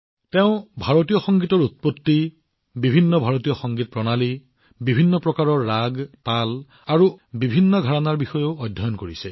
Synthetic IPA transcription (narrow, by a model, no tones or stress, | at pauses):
teʊ̃bʱaɹotijɔxɔŋɡitɔɹut̚potːi | bibʱinːɔbʱaɹotijɔxɔŋɡit̚pɹɔnali | bibʱinːɔpɹɔkaɹɔɹːaɡtal | aɹubibʱinːɔɡʱaɹanaɹbixɔjoʊɔjdʱːɔjɔnkoɹisɛ